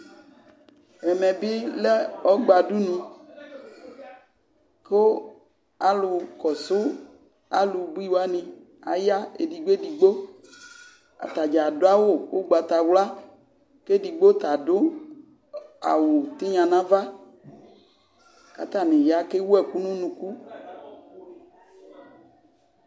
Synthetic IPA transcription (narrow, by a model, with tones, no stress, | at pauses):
ɛ˨mɛ˨bi˦le˦ɔ˦ɡ͡ba˨du˦nĩ˦ | ko˦ | a˦lʊ˨kɔ˨sʊ˦ | a˦lu˨bu˦i˦wa˦nĩ˨ | a̰˨ja˦ḛ˨di˨ɡ͡be˦di˨ɡ͡bo˦ | a̰˨t̪a˨d͡ʒa˨do˦a˦wo˦˨wʔo˦ɡ͡ba˨t̪a˨wla˦ | ke˦ɖi˨ɡ͡bo˦t̪a˨ɖo˦ | a̰˨wo˨t̪i˦ɲã˨nã˦va˦ | ka̰˨t̪a˨nẽ˨ja˦ke˦wu˦ɛ˨ku˦nũ˦nũ˨ku˦